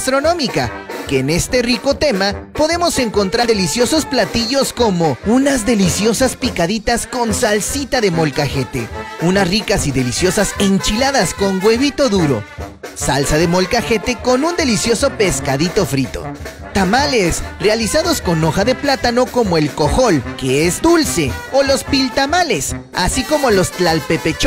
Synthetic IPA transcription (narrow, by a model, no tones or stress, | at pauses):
st̪ɾo̞no̞mikakeːne̞st̪e̞riko̞t̪e̞mapo̞ðe̞mo̞se̞ŋko̞nt̪ɾadðe̞lisjo̞so̞splat̪iʝo̞sko̞mo̞unazðe̞lisjo̞saspikaðit̪asko̞nsalsit̪aðe̞mo̞lkaxe̞t̪e̞̰unasrikasiðe̞lisjo̞sase̞nt͡ʃilaðasko̞ŋɡwe̞βit̪o̞ðuɾo̞̰salsaðe̞mo̞lkaxe̞t̪e̞ko̞nund̪e̞lisjo̞so̞pe̞skaðit̪o̞fɾit̪o̞̰ | t̪amalesrealisaðo̞sko̞no̞xaðe̞plat̪ano̞ko̞mo̞e̞lko̞xo̞lke̞ezd̪ulse̞o̞lo̞spilt̪amale̞sa̰siko̞mo̞lo̞st̪lalpe̞pet͡ʃ